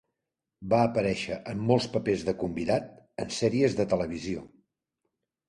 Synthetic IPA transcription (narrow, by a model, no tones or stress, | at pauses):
baəpəɾɛʃəʔəmːolˠspəpezðəkumbiðat̪̚ənsɛɾiəzðət̪ələβ̞izio